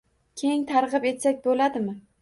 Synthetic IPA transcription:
kʲʰeŋt̪ʰaɾʁɨpe̞t̪sakʲbolad̪ɪmɪ

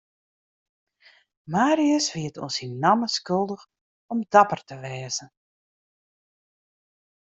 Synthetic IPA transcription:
maːɾiəsʋiətʰɔ̰nsinnaməskɵlˠdəx | ɔmdapərtəʋɛːzən

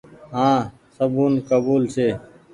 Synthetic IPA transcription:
ɦãː | səbuːnkəbuːlseː

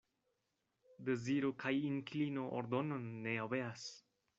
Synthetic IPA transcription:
d̪eziɾokʰajiŋklino̞ʔo̰ɾd̪ononːeaveas

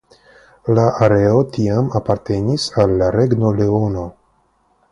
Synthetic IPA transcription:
laʔaɾe̞o̞tiamapaɾte̞nisalːaɾe̞ɡno̞le̞o̞no̞

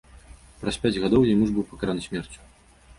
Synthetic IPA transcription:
pɾɐspʲad͡zʲɣad̪ɔwjɛmuʐbɨwpɐkaɾanɨsʲmʲɛrt͡sʲu̥

